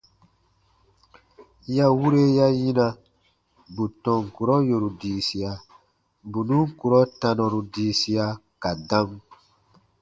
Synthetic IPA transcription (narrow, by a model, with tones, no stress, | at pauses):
ja˦wu˦ɾe˦ja˦jĩ˦nã˧˨ | bu˨tɔ̃˨ŋ˨ku˨ɾɔ˦jo˨ɾu˨diː˨si˨a˨ | bu˨nũ˦ŋ̩˦ku˨ɾɔ˦tã˧nɔ̃˨ɾu˨diː˨˦si˦a˧ka˨dã˦m